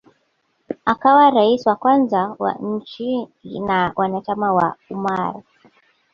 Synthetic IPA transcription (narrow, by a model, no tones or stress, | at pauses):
akawaɾaisiwakwanzawa̰ɲ̩t͡ʃinawʔanat͡ʃamawa̰umaɾi